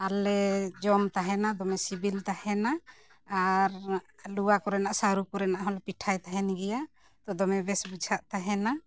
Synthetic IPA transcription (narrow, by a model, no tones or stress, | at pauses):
alɛd͡ʒɔmt̪aɦɛnad̪ɔmɛsibilt̪ahɛnaː | ɾluwakɔɾɛnaʔsaɾukɔɾɛnaʔɦɔlpiʈʰajt̪aɦɛniɡɛja | t̪ɔd̪ɔmɛbɛsbud͡ʒʱaʔt̪aɦɛna